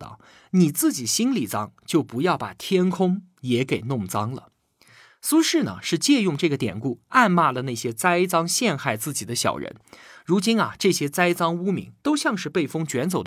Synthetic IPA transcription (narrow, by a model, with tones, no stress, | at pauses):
ɑ̰˥˩ʊ | ni˨˩t͡sɹ̩˥˩t͡ɕi˨˩ɕi˥nli˨˩t͡sɑ˥ŋt͡ɕjo˥˩ʊpu˧˥jɑ˥˩ʊpa̰˨˩t̪ʰjɛ˥nkʰʊ˥ŋ | jɛ˧˥ke˨˩ɪnʊ˥˩ŋt͡sɑ˥ŋlə̰˨ | su˥ʂɻ̩˥˩nə̰˩ʂɻ̩˥˧t͡ɕjɛ˥˧jʊ˥˧ŋʈ͡ʂɤ˥˩ɡə˩t̪jɛ̰˨˩nku˥˩a˥˧nma˥˩lə˩na˥˩ɪɕjɛ˥t͡sa˥ɪt͡sɑ˥ŋɕjɛ˥˧nxa˥˧ɪt͡sɹ̩˥˩t͡ɕi˨˩d̪ə˦ɕjɑ̰˨˩ʊɻə̰˧˥nɻu˧˥t͡ɕi˥nɐ̰˨ʈ͡ʂɤ˥˩ɕjɛ˥t͡sa˥ɪt͡sɑ˥ŋu˥mḭ˧˥ŋt̪o˥ʊɕjɑ˥˧ŋʂɻ̩˥˧pe˥˩ɪfɤ˥ŋt͡ɕɥɛ˧˥nt͡so˨˩ʊ